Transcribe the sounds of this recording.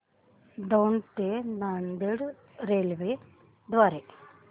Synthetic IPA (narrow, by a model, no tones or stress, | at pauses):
d̪ɐwnt̪enaɳɖ̪eɽ | ɾeːlʋe | d̪ʋaːɾe